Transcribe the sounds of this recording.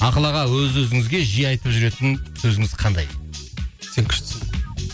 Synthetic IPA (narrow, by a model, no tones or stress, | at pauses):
ɑqəlˠɑʁɑwɵzwɵzɪŋɪzɡʲe̞ʒijɑjt̪əpʒʏɾe̞t̪ɪnsɵzɪŋɪzqʰɑnd̪ɑ̰j | seŋkʲʰɪ̥ʃt̪ɪ̥s